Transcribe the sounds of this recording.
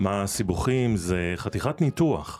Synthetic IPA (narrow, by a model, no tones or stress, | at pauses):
masibuχimzeχat̪iχat̪nituaχ